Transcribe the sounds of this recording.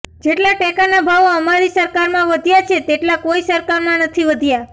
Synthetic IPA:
d͡ʒeʈlaʈɛkanabʱaʋoəmaɾisəɾkaɾmãʋəd̪ʱjat͡ʃʰet̪eʈlakoisəɾkaɾmãnət̪ʰiʋəd̪ʱja

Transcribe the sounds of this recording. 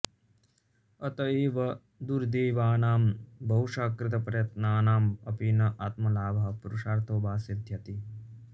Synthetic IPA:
ɐt̪ɐeːʋɐ | d̪uɾd̪eːʋaːnaːmbɐɦuʂaːkɾɪt̪ɐpɾɐjɐt̪naːnaːmɐpinɐʔaːt̪mɐlaːbʱaɦpuɾuʂaːɾt̪ʰoːbaːsid̪ʱjɐt̪i

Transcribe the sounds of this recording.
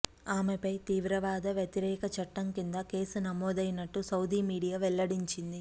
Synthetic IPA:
aːmepɐjt̪iːʋɾɐʋaːd̪ɐʋjɐt̪iɾɛːkɐt͡ʃɐʈːɐŋkind̪ɐke̞ːsunɐmːɔːd̪ɐjnɐʈːusɐwd̪ʱimiːɽijaːʋɛɭːɐɽiɲt͡ʃind̪i

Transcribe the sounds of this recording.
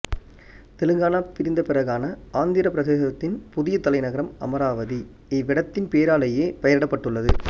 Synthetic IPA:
t̪ɛlɯŋɡaːnaːpɪɾɪnd̪ɐpɪrɐɣaːnɐaːnd̪ɪɾɐpɪɾɐðeːɣɐt̪ːɪnpʊðɪjɐt̪ːɐlɐɪnɐɣɐɾɐmɐ̰mɐɾaːʋɐði | ɛʋɪɽɐt̪ːɪnpeːɾaːlɐjeːpɐjɐɾɪɽɐpːɐʈːɯɭːɐðɯ̰

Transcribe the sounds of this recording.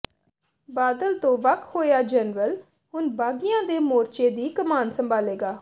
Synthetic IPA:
baːd̪əlt̪õːʋəkhoːjaːd͡ʒɛnɾəl | ɦʊnbaːɡɪjãːd̪eːmoːɾt͡ʃeːd̪iːkəmaːnsəmbʱaːleːɡaː

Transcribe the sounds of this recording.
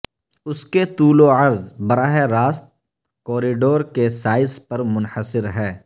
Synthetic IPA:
ʊsket̪uːloɐɾzbɐɾaːɦeɾaːst̪̚ | kɔːɾiːɖoːɾkesaːɪspɐɾmʊnħəsɪɾɦɛː

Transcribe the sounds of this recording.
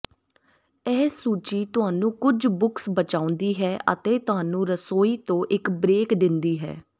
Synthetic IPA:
ɛːsuːt͡ʃiːt̪ʊɦaːnũːkʊd͡ʒbʊksbət͡ʃaːʊ̃nd̪iːɦɛːʔə̰t̪eːt̪ʊɦaːnũːɾəsoːiːt̪õːʔɪkbɾeːkd̪ɪnd̪iːɦɛ̰ː

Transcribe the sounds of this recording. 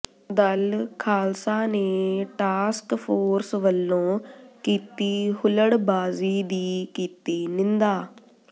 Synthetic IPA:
d̪əlkʰaːlsãːneːʈaːskpʰoːɾsʋəlːõːkiːt̪iːhʊləɽbaːziːd̪iːkiːt̪iːnɪ̃nd̪aː

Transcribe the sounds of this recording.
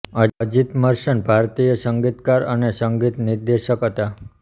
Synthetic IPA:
əd͡ʑit̪məɾʃəɳbʱaɾt̪ijəsəŋɡit̪kaɾə̰nesəŋɡit̪niɾd̪eʃəkɦət̪a

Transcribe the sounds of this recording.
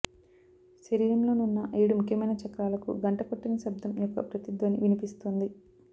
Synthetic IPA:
ʃɐɾiːɾɐmlo̞ːnunːɐʔejɽumukʰːjɐmɐjnɐt͡ʃɐkɾaːlɐkṵɡɐɳʈɐkoʈːinɐsɐbd̪ʱɐmjɔkːɐ̰pɾɐt̪id̪ʋɐniʋinipist̪und̪i

